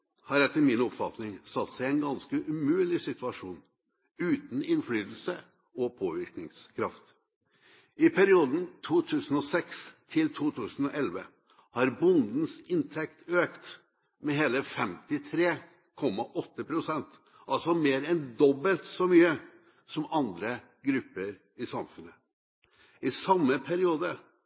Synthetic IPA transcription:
hɑɾɛt̪ːəɾmɪnɔpfɑt̪nɪŋsɑt̪sæɪɛɪnɡɑnskəʔʉmʉːlɪsɪt̪ʉɑʂuːn | ʉːt̪n̩ɪnflyːt̪l̩sə | ɔpʰoːʋɪɾknɪŋskʰɾɑft̪ | ɪpʰæɾɪuːd̪n̩t̪ʰuːt̪ʰʉːsn̩ɔsɛkst̪ʰɪlt̪ʰuːt̪ʰʉːsn̩ɔʔɛlʋə̰ | hɑɾbʊnd̪n̩sɪnt̪ʰɛkt̪øːkt̪ | mɛɦeːləfɛmt̪ɪt̪ʰɾeː | kʰɔmːɑʔɔt̪ːəpʰɾʊsɛnt̪ | ʔɑlsɔmeːɾɛnd̪ɔbəlt̪sɔmyːə | sɔmɑnd̪ɾə | ɡɾʉpːəɾ | ɪsɑmfʉnːə | ɪsɑmːəpʰæɾɪuːd̪ə

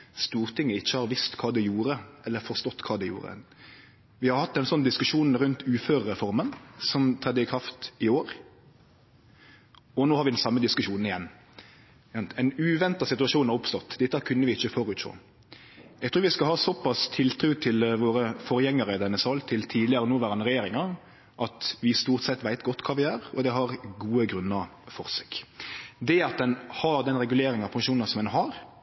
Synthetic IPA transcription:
st̪uːʁt̪ʰɪŋːəɪçːəhɑɾʋɪst̪kʰɑːd̪ɛjuːɾəɛlːəfɔʁst̪ɔt̪ːkʰɑːd̪ɛjṵːɾə̰ | ʋɪhɑɾhɑt̪ːɛnsɔnːd̪ɪskʉʂuːnn̩ɾʉnt̪ʉːføːɾɾɛfɔɾmənsɔmt̪ʰɾɛd̪ːəɪkʰɾɑft̪ɪoːɾ | ɔnoːhɑɾʋɪd̪ɛnsɑmːəd̪ɪskʉʂuːnn̩ɪjɛnː | ɑnt̪ɛɪnʉːʋɛnt̪ɑsɪt̪ʉɑʂuːnɑɾʊpst̪ɔt̪ːd̪ɪt̪ːkʰʉnːəʋɪɪçːəfɔɾʉːt̪ʃo̰ː | jɛɡ̚t̪ʰɾʉːɾʋɪskɑhɑːsɔpːɑst̪ʰɪlt̪ʰɾʉːt̪ʰɪlʋoːɾəfɔɾəjɛŋːəɾəɪd̪ɛnːəsɑːlt̪ʰɪlt̪ʰiːd̪ɪəɾənoːʋæːɾənəɾɛjeːɾɪŋɑɾ | ʔɑt̪ʋɪst̪uːʁt̪sɛt̪ːʋæɪt̪ɡɔt̪ːkʰɑːʋɪæːɾɔ̰d̪ɛɦɑɾɡuːəɡɾʉnːɑɾfɔɾse̥ːkd̪ɛɑt̪̚d̪ɛnhɑɾd̪ɛnɾɛɡʉleːɾɪŋɑpʰɑŋʃuːnɑsɔmɛnɦɑɾ

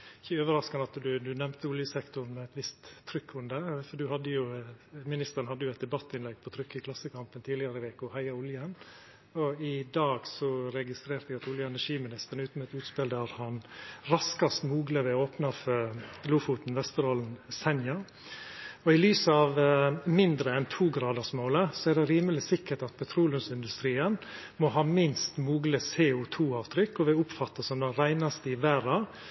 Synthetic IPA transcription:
ɪçəøːʋəɾɑskɑnɑt̪d̪ʉd̪ʉnɛmnt̪ʰəʊljəsɛkt̪ʊnmɛɛt̪ʋɪst̪ʰːɾʏkːʊnd̪əfɔɖʉhɑd̪ːəjʊmɪnɪst̪əɾənhɑd̪ːəjʊɛɪt̪d̪ɛbɑt̪ːɪnlɛɡ̚pʰɔt̪ʰɾʏkːɪkʰlɑsːəkɑmpənt̪ʰiːd̪ɪɑɾəɪʋeːkʊhæɪɑʊljən | ɔɪd̪ɑːɡsɔɾɛɡɪst̪ɾeːɾt̪əɪɑt̪ʊljəɛnæʂiːmɪnɪst̪əɾɳn̩ʉːt̪n̩mɛt̪ʉːt̪speːld̪æɾhɑnɾɑskɑst̪muːɡləʋɛoːpnɑfœɾluːfut̪n̩ʋɛst̪əɾɔln̩sɛnjɑ | ɔɪlyːsɑʋmɪnd̪ɾəɛnt̪ʰuːɡɾɑːd̪əsmoːləsɔæɖɛɾiːməlɪsɪkːəʈɑt̪̚pʰɛt̪ʰɾuːlʉnsɪnd̪ʉst̪ɾiːən | mɔɦɑːmɪnst̪muːɡləseːʊt̪ʰuːɑːʋt̪ʰɾʏkːɔʋɪʊpfɑt̪ːəsɔmd̪ɛɾæɪnɑst̪əɪʋæːɾɑ

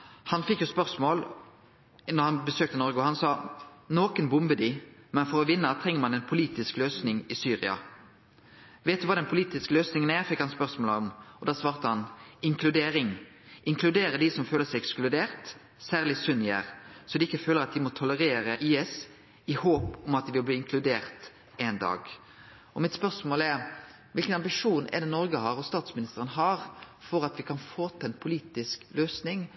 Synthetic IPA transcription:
hɑnfɪkːjʊspœʁsmoːl | nɔʁhɑnbəsøːk̚t̪ənɔʁɡəɔhɑnsɑːnoːkənbʊmbəd̪ɪmɛnfɔɾɔʋɪnːət̪ʰɾɛŋːəʁmɑnɛɪnpʰʊliːt̪ɪskløːsnɪŋɪsyːʁɪ̰ɑ̰ | ʋeːt̪ʉʋɑːd̪ɛnpʰʊliːt̪ɪskəløːsnɪŋənæʁfɪkːhɑnspœʁsmoːləɔmɔd̪ɑːsʋɑːʁt̪əhɑnɪŋkʰlʉd̪eːɾɪŋ | ʔɪŋkʰlʉd̪eːɾəd̪ɪsɔmføːləsæɪɛksklʉd̪eːʁt̪ | sæːʁlɪsʉnjæ̰ːʁsɔd̪ɛɪkːəføːləɾɑt̪̚d̪ɪmɔt̪ʰɔləɾeːɾəʔiːɛs | ɪhoːpɔmɑt̪̚d̪ɪʋɪlbliːɪŋkʰlʉd̪eːʁt̪ | eːnd̪ɑ̰ːɡ | ɔmɪt̪spœʁsmoːlɛɾ | ʋɪlkənɑmbɪʂuːnɛ̰d̪ɛnɔɾɡəhɑːɾɔst̪ɑːt̪smɪnɪst̪əɾənəɦɑɾfɔɾɑt̪ʋɪkʰɑnfoːt̪ɛnpʰʊliːt̪ɪskløːsnɪŋ

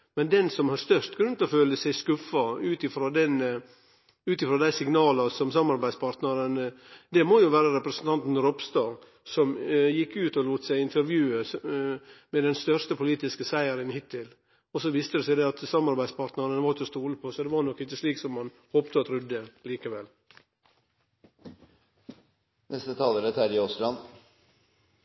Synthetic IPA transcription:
mɛnd̪ɛnsɔmhɑst̪œʂt̪ɡɾʉnt̪lɔføːləsæɪskʉfːɑʉːt̪ɪfɾoːd̪ɛn | ʉːt̪ɪfɾoːd̪æɪsɪŋnɑːlɑsɔmsɑmːɑɾbæɪd̪spʰɑːɾt̪nəɾənd̪ɛmɔjʊʋæːɾəɾɛpɾəsənt̪ʰɑnt̪n̩ɾɔpst̪ɑː | sɔmjɪkːʉːt̪ɔluːt̪əsæɪɪnt̪əɾʋjʉːə | mɛd̪ɛnst̪œʂt̪əpʰʊliːt̪ɪskəsæɪəɾənhɪt̪ːɪl | ɔsɔʋiːst̪əd̪ɛsæɪd̪ɛɑt̪sɑmːɑɾbæɪd̪spɑːɾt̪nəɾənəʋɑɾɪt̪ɔst̪uːləpʰosɔd̪ɛʋɑɾnɔkːɪçːəsliːksɔmhɑn | hoːpt̪əɑt̪ɾʉd̪ːəliːkəʋɛl | nɛst̪ət̪ʰɑːləɾət̪ʰæɾɪɔst̪ɾɑn

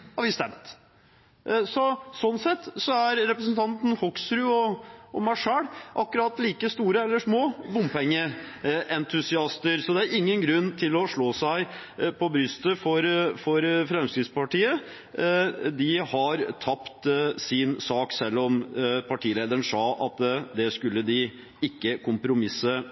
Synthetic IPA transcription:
hɑɾʋɪst̪ɛmt̪ | sɔsɔnːsɛt̪ːsɔæɾːɛpɾəsənt̪ʰɑnt̪n̩hɔksɾʉɔɔmæʂæːɽʔɑkːʉɾɑt̪liːkəst̪uːɾəɛlːəʂmoːbʊmpʰɛŋːə | ʔɛnt̪ʰʉsɪɑst̪əɾsɔd̪ɛæɾɪŋːənɡɾʉnːt̪ʰɪlɔʂɭoːsæɪpʰɔbɾʏst̪əfɔɾfɔɾfɾɛmskɾɪt̪spɑʈiːə | d̪ɪhɑɾt̪ʰɑpt̪sɪnsɑːksɛlːɔmpʰɑʈʰiːleːd̪əəɳsɑːɑt̪d̪ɛskʉlːəd̪ɪ | ɪkːəkʰʊmpɾʊmɪsə

